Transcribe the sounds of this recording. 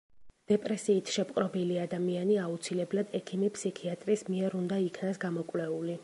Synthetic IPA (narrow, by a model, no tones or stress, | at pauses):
d̪̥ɛpʼɾɛsiːt̪ʰʃɛpʼqʼɾɔbiliad̪amianiaut̪sʰilɛblad̪ɛkʰimipʰsikʰiat̪ʼɾismiɛɾund̪aikʰnasɡamɔkʼwlɛuli